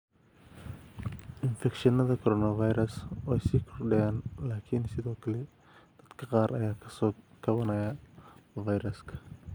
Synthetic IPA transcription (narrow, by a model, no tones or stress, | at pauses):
ʔɪnfɛkʃɐnɐðɐkʰɔɾɔːnɐvɐjɾɐswɛjsiːkʰʊrɖɛjɛːnlaːkʰɪnsɪðɔːkʰɐlɛ | d̪̥ɐd̪kʰɐqɑːɾʔɐ̰jaːɐsɔ | ɡɐβɐnɐjɐ | vɐjɾɐskʰɐ̥